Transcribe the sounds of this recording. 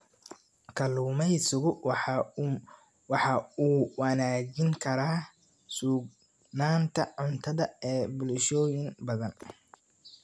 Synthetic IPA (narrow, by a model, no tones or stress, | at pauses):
kʰɐluːmɛjsʊɣʊ | wɑħɑuːwɐnaːd͡ʒɪŋkʰɐɾaː | suːɡ̚ | naːnt̪ʰɐʕʊnt̪ʰɐðɐɛːbʊlʃɔːjɪŋbɐðɐn